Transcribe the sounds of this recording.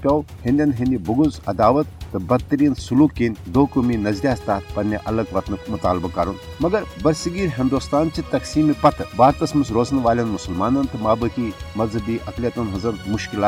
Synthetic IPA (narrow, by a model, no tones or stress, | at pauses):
pʲɐwhind̪ʲɐnɦinʲd̪ʲibuɡuzɐd̪aːʋɐt̪ːɨbɐɡ̚t̪ɐɾiːɐnsuluːkːinʲd̪oːkuminɐzd̪ʲijaːst̪aːt̪pɐnʲːɐʔɐlɐɡʋɐt̪nɨmʊt̪aːlbɐkɐɾunmɐɡɐɾbɐɾsiɡiːɾɦind̪ust̪aːnt͡ʃit̪ɐksiːmipɐt̪baːɾt̪ɐsmɨsɾoːznʋaːlʲɐnmusɐlmaːnɐnt̪ɨmaːbɨkimɐzɐbiːʔɐkliɐt̪unɦɐzɐnmʊʃkilaː